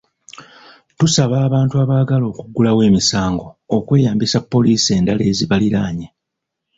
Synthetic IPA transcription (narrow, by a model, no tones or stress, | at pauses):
tusaβaːβaːntuaːβaːɡalo̞ːkuɡulawe̞ːmisaːŋɡo̞ːkwe̞ːjaːmbisapːo̞liːsie̞ːndale̞ːziβaliɾaːɲe